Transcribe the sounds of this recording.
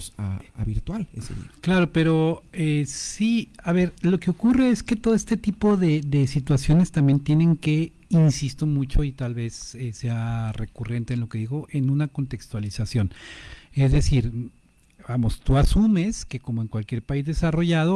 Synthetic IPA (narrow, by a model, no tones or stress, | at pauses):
sa̰a̰βḭɾt̪walḛsḛklaɾo̞pe̞ɾo̞esiaβe̞ɾlo̞ke̞o̞kure̞e̞ske̞t̪o̞ðoest̪et̪ipo̞ðe̞ðe̞sit̪wasjo̞ne̞st̪ambje̞nt̪je̞ne̞ŋke̞ | insist̪omut͡ʃo̞it̪alβe̞seseare̞kure̞nt̪e̞ːnloke̞ðiɣo̞ʔe̞nũnako̞nt̪e̞kst̪walisasjo̞ne̞zðe̞siɾ | bamo̞st̪uasume̞ske̞ko̞mo̞e̞ŋkwalkje̞ɾpaizðe̞saro̞ʝaðo